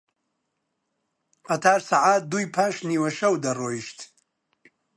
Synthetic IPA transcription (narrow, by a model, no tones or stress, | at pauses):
qɐt̪ʰaːɾsaʕaːt̪̚d̪uːjpʰaːʃniːwɐʃɐwd̪ɐroːiʃt̪